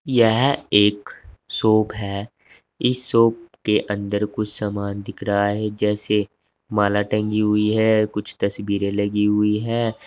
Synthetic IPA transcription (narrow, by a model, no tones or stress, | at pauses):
jɛɦeːksoːpɦɛː | ɪsːoːp̚keʔə̃nd̪əɾkʊt͡ʃʰsaːmaːnd̪ɪkʰɾaɦɛd͡ʒɛːse | maːlaʈɛ̃ːŋɡiɦʊiɦɛːkʊt͡ʃʰt̪ɐsbiːɾẽlɐɡiɦʊiɦɛː